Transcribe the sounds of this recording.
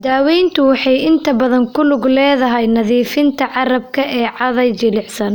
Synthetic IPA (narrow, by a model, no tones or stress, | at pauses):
d̪aːwijnt̪ʰʊwɑħɑjɪnt̪ʰɐbɐðɐŋkʰʊlʊɡlɛːðɐɦɛjnɐðiːfɪnt̪ʰɐʕɑrɐb̚kʰɐʔɛːʕɑðɐjt͡ʃɪlɪħsɐn